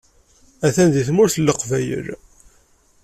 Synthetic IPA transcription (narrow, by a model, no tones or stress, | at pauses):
æθænðiθmʊɾθəlːəqvæjə̰ɾ